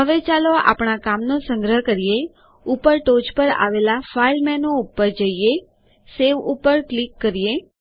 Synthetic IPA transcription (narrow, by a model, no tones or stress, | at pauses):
ɦəʋet͡ʃaloa̰pɳakamnosə̃ŋɡɾəɦkəɾije | upəɾʈod͡ʒpəɾa̰ʋelafailmɛnoupːəɾd͡ʒəije | seʋupːəɾklikːəɾije